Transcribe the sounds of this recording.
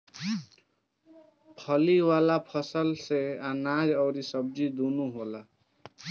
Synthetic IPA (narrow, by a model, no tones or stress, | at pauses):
pʰʌliwalapʰʌsəlseanad͡ʒʌwɾisʌb̚d͡ʒid̪unuɦola